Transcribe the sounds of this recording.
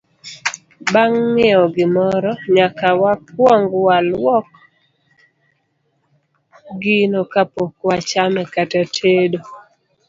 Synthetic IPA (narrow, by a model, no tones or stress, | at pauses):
baŋmɪɔɡɪmɔɾɔɲakawap̚wɔŋɡwalwɔk | ɡɪnokapokwat͡ʃamɛkatatʰedo